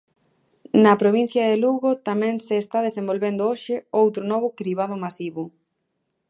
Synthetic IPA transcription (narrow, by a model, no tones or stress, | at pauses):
nɐpɾoβin̟θjɐðeluɣot̪amɛ̃ŋseːst̪að̞esẽmbolβend̪ʊoʃɪowt̪ɾʊnɔβ̞ʊkɾiβ̞aðʊmasiβʊ